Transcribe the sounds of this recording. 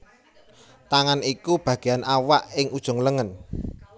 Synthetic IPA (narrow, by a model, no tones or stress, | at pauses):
t̪aŋanikub̥ä̤ɡ̥e̤anʔawaʔɪŋʔud̥ʒ̥ɔ̤ŋləŋən